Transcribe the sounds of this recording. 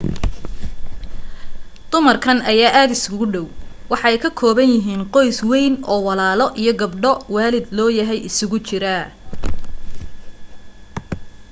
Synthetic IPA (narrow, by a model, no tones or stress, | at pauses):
d̪̥ʊmɐrkʰɐnɐjaːʔaːd̪ɪsʊɣʊɖɔwwɑħɑɛjkʰɐkʰɔːβɐnjɪɦiːnqɔjswɛjnɔːwɑlaːlɔʔijɞɡɐbɖɔwɑːlɪd̪lɔːjɐɦɛjʔɪsʊɣʊt͡ʃɪɾɐ